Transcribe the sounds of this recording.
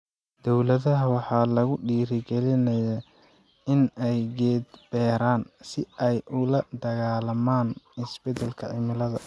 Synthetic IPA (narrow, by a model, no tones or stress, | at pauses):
d̪̥ɔwlɐðɐɦɐwɑħɑːlɐɣʊɖiːɾɪɡɛlɪnɐja | ɪnɛjɡɛːd̪b̥ɛːɾaːnsɪɛjʊlɐd̪ɐɣaːlɐmaːnɪsb̥ɛd̪ɛlkʰɐʕɪmɪlɐðɐ